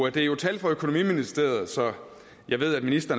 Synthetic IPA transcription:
æd̥e̝æɐjo̝t͡sʰæl̰d̥fɒ̽økʰo̝no̝mḭminisd̥e̝̰ɐð̞̩ˠsɒ̽ | jɑ̈ɪʋe̝ð̰ˠæd̥minisd̥ɐn

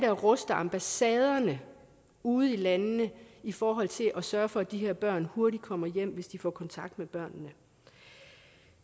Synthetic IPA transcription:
d̥æɐʁɔsd̥ɐɑ̈mb̥æsɛːð̞ˠɐnə | uːð̩ˠilænnəifɒːɦɒ̽l̰t͡sʰe̝lʔɒsɶːɐfɒ̽æd̥iɦeɐ̰b̥ɶɐ̰nho̝ɐɾi̥kʰɒ̽m̰ɐjem̰ʋe̝sd̥ifɒ̰ːkʰɒ̽nt͡sʰɑ̈ɡ̥̚d̥meb̥ɶɐ̰nːə

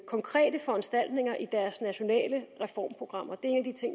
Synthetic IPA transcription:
kʰɒ̽ŋkʰʁɛ̰ːd̥əfɒ̽ænsd̥æl̰d̥ne̝ŋɐʔid̥æɐsnæɕo̝nɛ̰ːləʁɛfɒ̰ːmpʰʁo̝ɡ̥ʁɑ̈m̰ɐd̥e̝ɐe̝ːnæd̥it͡sʰe̝ŋ̰

